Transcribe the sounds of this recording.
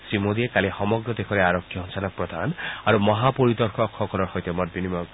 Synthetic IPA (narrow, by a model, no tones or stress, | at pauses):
simod̪iekalixɔmɔɡɾɔd̪ekʰɔɾeaɾɔkʰːjɔɔnsalɔk̚pɾɔd̪ʱanaɾumɔɦapɔɾit̪ɔɾkʰɔkʰːɔkɔlɔɹhɔjt̪emɔtbinimɔk